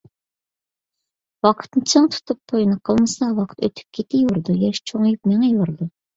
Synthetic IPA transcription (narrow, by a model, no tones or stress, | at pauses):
wɑqʰə̥t̪nɨt͡ʃʰeŋt̪ʰu̥t̪ʰuppʰːojinɨqʰəlˠmɨsɑwɑqʰə̥t̪øt̪ʰy̥p̚kʲʰet̪ʰɪjuɾd̪ujɛʃt͡ʃʰoŋujupmeŋɛjuɾd̪u